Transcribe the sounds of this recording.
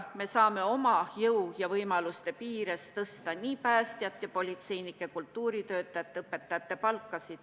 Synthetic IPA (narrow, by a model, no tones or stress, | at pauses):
me̞sɑːme̞o̞mɑjɤwjɑvɤjmɑlust̪e̞piːɾest̪ɤst̪ɑniːpæːst̪jɑt̪ːˑjɑpo̞lʲit̪se̞jnikːˑe̞kult̪ːuːɾit̪ø̞ːt̪ːˑɑjɑt̪ːˑɤpːe̞t̪ːɑjɑt̪ːe̞pɑlkːˑɑsid̪̥